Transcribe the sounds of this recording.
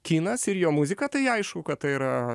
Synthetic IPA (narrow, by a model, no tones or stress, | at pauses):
kʲiːnɐsɪɾjoːmuzʲɪkɐt̪ɐɪɐɪʃkʊkɐt̪t̪ːɐɪiɾɐ